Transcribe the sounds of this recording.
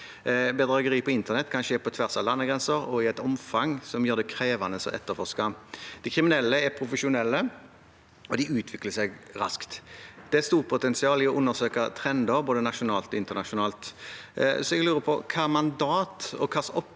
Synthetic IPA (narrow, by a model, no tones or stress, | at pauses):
bɛd̪ɾɑːɡəʁiːpʰɔɪnt̪əʁnɛt̪ːkʰɑnʃəɛpʰɔt̪ʰʋæʁsɑlɑnːəɡɾɛnsəɾɔɪæɪt̪ɔmfɑŋsɔmjøːʁd̪ɛkʰɾeːʋɑnəsɔ̰ʔɛ̰t̪ːəfɔʁskɑd̪̥ɪkʰɾɪmɪnɛlːəɛpʰɾʊfəʃʊnɛlːə | ɔd̪ɪʉːt̪ʰʋɪkləsɛɡɾɑ̰skt̪d̪̥ɛɛst̪uːʁpʰʊt̪ɛnsɪɑːlɪɔʔʊnːəʁsøːkət̪ʰɾɛnd̪əɾboːd̪ənɑʃʊnɑːlt̪ɔɪnt̪əʁnɑʃʊnɑːlt̪ | sɔɛɡlʉːʁəpʰɔ̰kʰɑːɛmɑnd̪ɑːt̪ɔ̰kʰɑsɔpː